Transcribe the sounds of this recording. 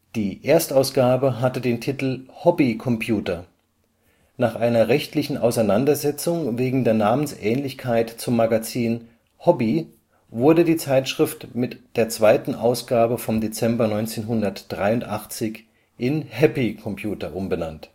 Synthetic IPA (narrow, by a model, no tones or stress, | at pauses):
d̥iːʔeːɐstaʊsɡ̥aːbəɦatədeːntʰitl̩hɔbikʰɔmpʰjuːtɐ | naːχʔaɪnɐʁɛçtlɪçn̩ʔa̰ʊsaɪnandɐzɛt͡sʊŋveːɡŋ̩deːɐnaːmənsʔɛːnlɪçkʰaɪtt͡sʊmːaɡat͡siːn | hɔbi | vʊɐdədiːt͡saɪtʃʁ̥ɪftmɪtd̥eːɐt͡sv̥aɪtn̩ʔaʊsɡ̥aːbəfɔmdet͡sɛmbɐnɔʏnt͡seːnɦʊndɐtd̥ʁaɪʊntʔaχt͡sɪç | ʔɪnhɛpikʰɔmpʰjuːtɐʔʊmbənant